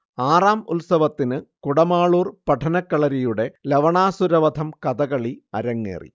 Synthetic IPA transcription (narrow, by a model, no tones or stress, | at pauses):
aːraːmṵlsɐʋɐt̪ːinɨkuɽɐmaːɭuːrpɐʈʰɐnɐkːɐɭɐɾijuɽe̞lɐʋɐɳaːsuɾɐʋɐd̪ʱɐmkɐd̪ɐɣɐɭiɐ̰ɾɐŋːḛːrḭ